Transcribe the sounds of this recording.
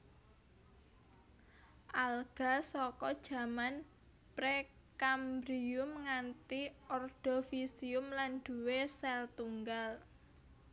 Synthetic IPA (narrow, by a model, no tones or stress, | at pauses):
ʔalɡ̥a̤sɔkɔd̥ʒ̥ä̤man | pɾe | kambɾiʊmŋant̪iɔrd̪̥ɔ̤fisiʊmlanɖ̪̥ṳwesɛlt̪uŋɡal